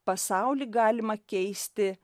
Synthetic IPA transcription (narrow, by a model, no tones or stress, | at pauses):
pɐsɑˑʊlʲiɡɑːlʲɪmɐkʲɛɪsʲt̪ʲɪ